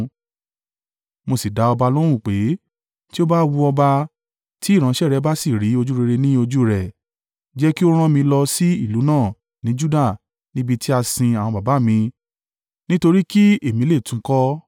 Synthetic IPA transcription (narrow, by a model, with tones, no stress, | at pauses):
mo˧si˨da˨˦ɔ˧ba˧lo˦ɾ̃ũ˦˨k͡pe˨˦ | ti˦o˦ba˦wu˧ɔ˧ba˧ | ti˦i˦˨ɾ̃ã˨˦ʃɛ˦˨ɾɛ˨˦ba˦si˦˨ɾi˨˦o˧d͡ʒu˦ɾe˧ɾe˧nĩ˦o˧d͡ʒu˦ɾɛ˨ | d͡ʒɛ˦ki˦o˦ɾ̃ã˦mĩ˧lɔ˧si˦i˦˨lu˨˦nãː˦˨ | nĩ˨˦d͡ʒu˦da˦˨ | nĩ˦bi˧ti˦a˧sĩ˧a˨wɔ̃˧ba˨ba˨˦˨mĩ˧ | nĩ˦to˧ɾi˦ki˦e˦˨mĩ˨˦le˦˨tũ˨˦kɔ˦